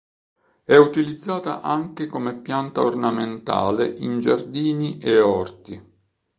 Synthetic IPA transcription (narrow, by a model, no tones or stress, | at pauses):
ɛut̪ilid̪zːaːt̪a̰ʔaŋk̟ekomepːjant̪aornament̪a̰ːleʔind͡ʒard̪iːniʔeɔrt̪i